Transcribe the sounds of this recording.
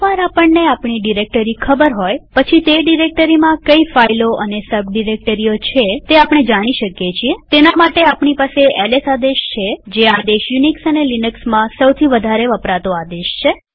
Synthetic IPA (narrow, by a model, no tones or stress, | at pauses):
ʋaɾapəɳneapɳiɖiɾek̚ʈəɾikʰəbəɾɦojpət͡ʃʰit̪eɖiɾek̚ʈəɾimãkəifailoʔənesəbʱɖiɾek̚ʈəɾijot͡ʃʰet̪eapɳ̃ed͡ʒaɽ̃iʃəkjet͡ʃʰiet̪enamaʈeapɳ̃ipaseɛlesad̪eʃt͡ʃʰed͡ʒead̪eʃjuniksənelinəksmãsəwt̪ʰiʋəd̪ʱaɾeʋəpɾat̪oad̪eʃt͡ʃʰe